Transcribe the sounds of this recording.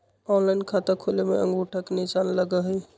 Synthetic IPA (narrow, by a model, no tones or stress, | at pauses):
ɔ̃nlaɪnkʰat̪əkʰolemeə̰̃ŋɡuʈʰəknisanləɡəɦəj